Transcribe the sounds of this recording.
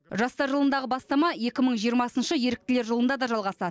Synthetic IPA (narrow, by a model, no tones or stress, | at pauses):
ʒɑst̪ɑɾʒəlˠənd̪ɑʁəbɑst̪ɑmɑje̞kʲɪməɴʒijəɾmɑsənʃəje̞ɾɪk̚t̪ɪle̞ɾʒəlˠənd̪ɑd̪ɑʒɑlˠʁɑsɑd̪ə